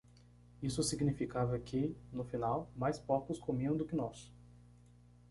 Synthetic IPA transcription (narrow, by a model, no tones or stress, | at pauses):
isʊsiɡnifikavɐkʰɪnʊfinawmajspɔɾt̪ʊskomiɐ̃w̃d̪ʊkɪnɔs